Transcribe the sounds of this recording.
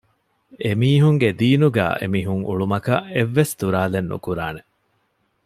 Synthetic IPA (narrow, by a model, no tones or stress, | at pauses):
emiːɦuŋɡed̪iːnuɡæ̰ːʔḛmiːɦuŋṵɭumɐkɐeʋːesd̪uɾaːlenːṵkuɾaːne